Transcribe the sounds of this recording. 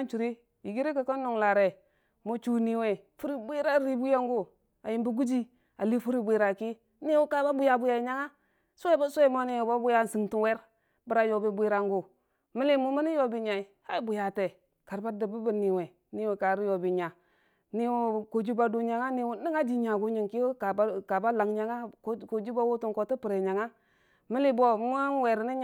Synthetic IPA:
a˦nt͡ʃu˨ɾi˦ | i˨ɡi˦ɾi˦ka˨ka˦nː˦u˨ŋla˨ɾe˨ | mo˦t͡ʃu˦ni˨we˨ | fu˦ɾi˦bi˦ɾa˦ɾi˦bu˦ja˦ŋɡu˦ | a̰˨ji˨mbi˦ɡu˦d͡ʒi˦ | a̰˨li˦fu˦ɾi˦bʷi˦˨ɾa˨ki˦ | ni˦wu˦ka˨˦ba˦bu˦ja˨bu˦ja˨i˨ɲa˦ŋa˦ | su˦e˦ba˦su˦e˦mo˦ni˦wo˨ba˦bu˦ja˦˨si˨ŋtu˨˦we˦ɾ | bə˨ɾa˨jo˨bi˦bʷi˦ɾa˦ŋɡu˨ | mi˦li˦mu˦mi˦ni˦jo˦˨bi˨ɲa˨i˨ha˦i˦bu˨ja˨te˨ | ka˨ɾba˦də˨bu˦bə˨ni˨we˨ | ni˦we˨ka˨ɾi˦jo˨bi˨ɲa˨ | ni˦wko˨d͡ʒu˦ba˨du˦ɲa˨ŋa˦ni˦wu˦ni˦ŋa˦di˨ɲa˨ɡu˦ɲi˨ŋki˦ka˨bka˨ba˦la˨ŋɲa˨ŋa˦ko˨d͡ʒu˦ba˦wu˦tu˨ŋko˨ti˦pi˨ɾe˨ɲa˨ŋa˦ | mi˦li˦bo˦m˦nwe˨ɾni˦

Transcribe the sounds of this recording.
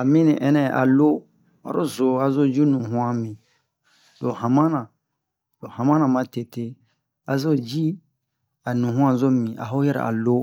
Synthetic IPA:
a˨mĩ˦nĩ˨ʔɛ˦nɛ̃˦˨ʔa̰˨lo˦ | a̰˨ɾo˦zo˨a˨zo˦d͡ʒi˦nũ˨ɦũ˦ã˦mĩ˨ | do˨hã˨mã˦nã˨ | do˨hã˨mã˦nã˨mã˦te˨te˦ | a˨zo˦d͡ʒi˦ | a˨nũ˨ɦũ˦ã˨zo˦mĩ˨ʔa̰˨ɦo˦jɛ˦ɾa̰˨a̰˨lo˦

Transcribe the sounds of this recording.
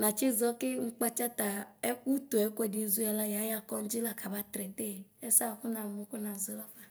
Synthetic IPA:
nã˨t͡ʃe˦zɔ˦ke˦ŋ̩˦k͡pa˦t͡ʃa˦t̪a˨e˦ku˦t̪o˨ɛ˦ko˦ɛ˨de˨˦zu˦a˨la˦ja˨˦ja˦kɔ˦ŋ̩˦d͡ʒi˦la˦ka˨ba˦t̪ɾɛ˨t̪e˦˨e˦sa˦˨ku˦nã˨mõ˨ku˦nã˨ze˨˦la˦fa˨

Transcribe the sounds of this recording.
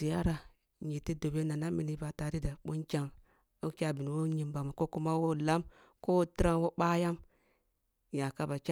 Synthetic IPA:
i˨ja˦ɾa˨ | ɲi˨ti˦do˨be˦na˨na˦mi˨ni˦ba˨ta˨ɾi˦da˨ɓo˦nkʲa˦ŋ | o˦kʲa˦˨bi˨n˨wo˦ɲi˨mba˨ma˨ko˦ku˦ma˦wo˦la˦m | ko˦ti˦ɾa˦ŋwo˦ɓa˦ja˦m | ja˨ka˦ba˨kʲa˦

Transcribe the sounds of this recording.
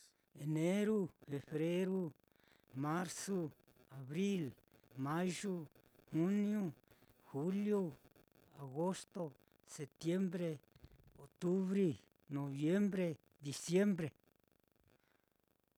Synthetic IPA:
e˨nẽ˦ɾu˦fe˨βɾe˦ɾu˦ | mã˦ɾso˦ | a˨βɾi˦l | mã˦ʒu˦ | hu˦nj̃ũ˦ | xu˦ljo˦ | a˨ɣo˦st̪o˦ | se˨t̪je˦mbɾe˧o˨t̪u˦βɾi˦ | nõ˨βje˦mbɾe˦ | d̪i˨sje˦mbɾe˨

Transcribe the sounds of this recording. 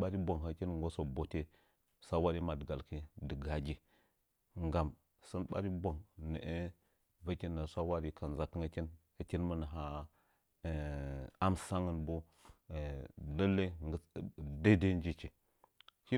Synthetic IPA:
ɓa˦ɾi˦bo˨ŋɦa˨kʲi˦nŋɡo˦so˨bo˨te˦ | sa˦wa˦ɾi˦ma˨dɡa˨lki˦də˨ɡa˨d͡ʒʲi˨ | ŋɡa˨m | sə˦nɓa̰˦ɾi˦bo˨ŋnə̰˨ʔe˦ | və˦kʲi˦nːa˨sʷa˦wa˦ɾi˨ka˨n˨za˨kə˦ŋə˦kʲi˦n | ə˨kʲi˦nmə˦nə˨ɦa˨ | a˦msa˦ŋə˦nbo˦˨ | lə˦lːə˦də˦de˦n˦d͡ʒi˦˨t͡ʃi˨ | ʃi˦

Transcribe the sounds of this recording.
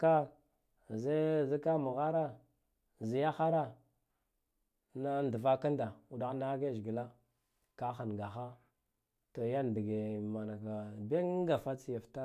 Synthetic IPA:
ka˦ | ze˦zi˦ka˦mu˨ɣa˦ɾa˦ | zi˨ja˦xa˦ɾa˦ | na˦n˨du˨va˦ka˦nda˨u˨da˨˦n˦da˦ɡe˦ʒɡi˨la˦ | ka˦xa˨nɡa˨xa˦ | to˨ja˦n˨di˨ɡe˨ma˨na˨ka˨be˦ŋ˦ɡa˨fa˦t͡si˨ja˨fta˦

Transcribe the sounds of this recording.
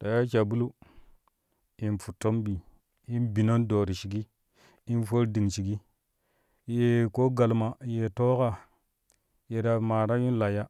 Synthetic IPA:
ta˨ja˦t͡ʃa˨bu˦lu˦ | i˨nfu˨tːo˦mbi˨ | i˦nbi˨no˦ndo˨ɾi˨ʃi˨ɡi˦ | i˦nfo˦ɾdi˨ŋt͡ʃi˨ɡi˦ | je˨ko˦ɡa˨lma˨je˨to˦ka˨ | je˨ɾa˨ma˨ɾa˦ju˦n˦la˨ja˦

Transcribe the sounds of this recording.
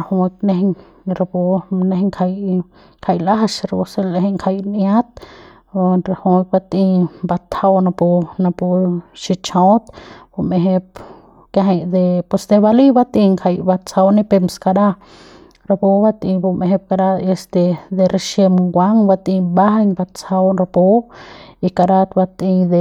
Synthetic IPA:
a˧hu˧k̚ne˧ɦ | ɾa˧bu˧ne˧hŋkʰa˧j | kʰa˧jla˦ɦaʃɾa˧bu˧se˧le˧ɦŋkʰa˧jnja˦t̪ | ɾa˧hu˧k̚ba˧t̪ĩ˧mba˧t̪ʰa˧wna˧pu˧na˧pu˧ʃi˧t͡ʃõ˧˦t̪b̥u˧me˧ɦe˧p | ke˧ɦa˧jd̪e˧pwe˧sd̪e˧ba˧li˦ba˧˦t̪ĩ˧ŋkʰa˧jba˧t͡sa˧wni˦pe˧mska˧ɾa˦ | ɾa˧pu˧ba˧˦t̪ĩ˧bu˧me˧ɦe˧p̚ka˧ɾa˧e˧st̪e˧d̪e˧ɾe˧ʃe˧mŋɡʷa˦ŋba˧t̪ĩ˧ba˦ha˦ɲba˧t͡sa˧wɾa˧po˧˦i˧ka˧ɾa˧t̪ba˧t̪i˧d̪e˧

